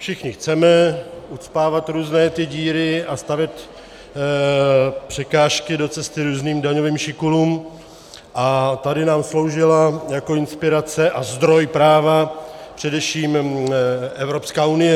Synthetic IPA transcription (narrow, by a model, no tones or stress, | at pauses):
fʃɪxɲɪxt͡sɛmɛʔut͡spaːvat̪ɾuːznɛːt̪ɪɟiːɾɪʔast̪avjɛt̪ | pr̝̥ɛkaːʃkɪdo̞t͡sɛst̪ɪɾuːzniːmdaɲoviːmʃɪkuluːm | ʔat̪adɪnaːmslo̞wʒɪlajako̞ɪnspɪɾat͡sɛʔazd̪ɾo̞jpɾaːvapr̥ɛdɛfʃiːm | ʔɛvɾo̞pskaːunɪjɛ